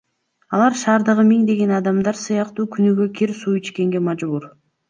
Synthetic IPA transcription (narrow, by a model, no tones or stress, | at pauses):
ɑlˠɑɾʃɑːɾd̪ɑʁɯmiŋd̪e̞ɡe̞nɑd̪ɑmd̪ɑɾsɯjɑqt̪uːkʰynyɡø̞kʲʰiɾsuːit͡ʃke̞ŋɡe̞mɑd͡ʒbuɾ